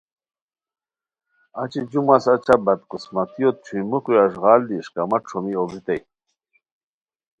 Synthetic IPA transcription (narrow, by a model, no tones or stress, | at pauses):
ɐt͡ɕid͡ʑumasɐt͡ɕʰabɐt̪̚qusmɐt̪ijot̪̚t͡ɕʰujmuqujɐʐʁaːld̪iʂkɐmɐʈ͡ʂʰomiobʱit̪ɐj